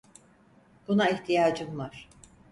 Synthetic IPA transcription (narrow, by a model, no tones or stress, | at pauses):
b̥unaiçt̪ʰijaːd͡ʒɯmlˠaɾ̥